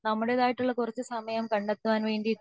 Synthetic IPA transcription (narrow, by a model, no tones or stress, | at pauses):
nɐmːuɽeðaːjiʈːuɭːɐkurɐt͡ɕːɨsɐmɐjɐmkɐɳɖet̪ːuʋaːnʋe̞ːɳɖi